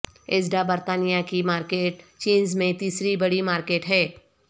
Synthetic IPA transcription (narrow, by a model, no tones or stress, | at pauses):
eːzɖabəɾt̪aːnijakimaːɾkeːʈ̚t͡ʃiːnzmẽt̪iːsɾibɐɽimaːɾkeːʈɦɛː